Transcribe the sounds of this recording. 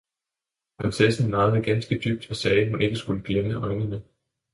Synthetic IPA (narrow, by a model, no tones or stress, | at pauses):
pʰʁɑnsesn̩mɑ̈ːð̩ˠɐɡ̥ænsɡ̥əd̥yb̥̚d̥ɒ̽sɛːɦune̝ɡ̥əsɡ̥uləɡ̥leməʔɒ̽ɪnənə